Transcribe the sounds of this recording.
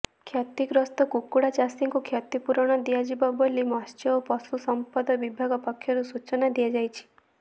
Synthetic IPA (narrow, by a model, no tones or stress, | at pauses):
kʰjat̪ikɾɔst̪ɔkukːuɽat͡ʃasiŋkukʰjat̪ipuɾɔɽ̃ɔd̪iad͡ʒibɔbɔlːimɔst͡ʃɔopɔsusɔmpɔd̪ɔbibʱaɡɔpɔkʰːjɔɾusut͡ʃɔnad̪ijad͡ʒajt͡ʃʰi̥